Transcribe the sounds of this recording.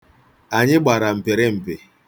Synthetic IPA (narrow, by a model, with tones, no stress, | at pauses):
a˨ɲɪ˦ɡ͡ba˨ɾa˨m̩˨pe˨ɾɪ˦m̩˨pe˨